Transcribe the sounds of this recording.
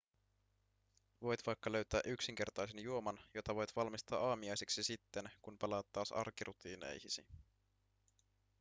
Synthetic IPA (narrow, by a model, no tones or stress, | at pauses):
ʋo̞jt̪ʋɑjkːɑlø̞ɥt̪æːʔyksiŋk̟e̞rt̪ɑjsenjuomɑnjo̞t̪ɑʋo̞jt̪ʋɑlmist̪ɑːʔɑːmiɑjseksisit̪ːe̞nkunpɑlɑːt̪ːɑːsɑ̰rkiɾʔut̪iːnḛjhisḭ